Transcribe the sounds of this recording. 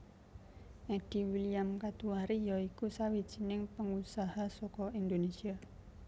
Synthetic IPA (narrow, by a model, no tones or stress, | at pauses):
ed̥i̤wiliamkat̪uaɾijɔikusawid̥ʒ̥i̤nɪŋpəŋusahasɔkɔind̪onesia